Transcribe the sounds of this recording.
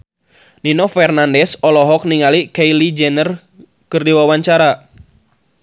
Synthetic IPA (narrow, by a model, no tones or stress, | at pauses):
ninɔfɛrnandɛsɔlɔɦɔk̚niŋalikejlid͡ʒɛnər | kɨrdiwawaɲt͡ʃaɾa